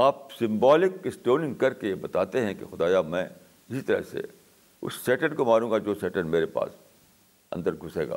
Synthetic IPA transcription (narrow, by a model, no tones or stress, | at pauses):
aːp̚sɪ̃mbaːlɪkɪsʈoːlɪ̃ŋɡkɐɾkejebɐt̪aːt̪eɦɛ̃kḛxʊd̪aːjamɛ̃ː | ɪsit̪ɐɾə̰ɦsḛ | ʊ̰sːeːʈənkomaːɾũːŋɡad͡ʒoːseːʈəɖmeːɾepa̰ːs | ɐ̰̃nd̪əɾɡʱʊsḛːɡa̰ː